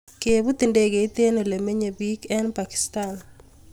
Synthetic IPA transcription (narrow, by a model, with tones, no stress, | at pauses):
ke˨bu˦t̪e˨nde˦ɡe˨i˦t̪e˦no˨le˨me˦ɲe˨bi˦kɛ˦npa˨ki̥˨stan